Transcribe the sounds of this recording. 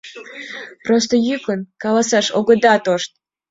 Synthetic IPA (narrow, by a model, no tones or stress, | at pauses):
prost̪ojykənkɑlɑsɑʃoɡɤ̆d̪ɑt̪oʃt̪̚